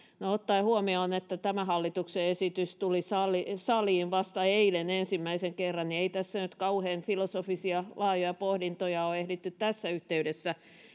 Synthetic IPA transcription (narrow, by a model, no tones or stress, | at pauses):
noot̪ːɑihuomioˑnet̪ːæt̪æmæhɑlːit̪ukseesit̪yst̪ulisɑlisɑliːnʋɑst̪ɑeilenensimːæiseŋkerːɑnnieit̪æsːænyt̪kɑuheːnfilosofisiɑlɑːjojɑpohdint̪ojɑoehlit̪ːyt̪t̪æsːæyht̪eydesːæ